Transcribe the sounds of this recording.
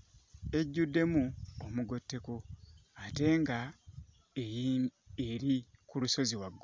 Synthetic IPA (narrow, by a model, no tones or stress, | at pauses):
e̞ɟːudːe̞muomuɡo̞tːe̞koate̞ːŋɡa | eɾikuluso̞ziwaɡo